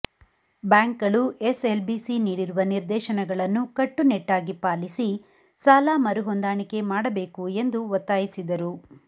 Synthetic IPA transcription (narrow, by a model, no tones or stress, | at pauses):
baːŋkɐɭuʔeselbisiniːɽiɾuʋɐniɾd̪ɛːʃɐnɐɡɐɭɐnːukɐʈːunɛʈːaːɡipaːlisi | saːlaːmɐɾuɦond̪aːɳike̞maːɽɐbeːkue̞nd̪uʋɔt̪ːaːjisid̪ɐɾu